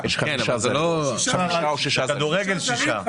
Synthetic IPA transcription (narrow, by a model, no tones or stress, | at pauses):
jɛʃχaeʃazelo | aoʃiʃakad̪uʁeɡelʃiʃa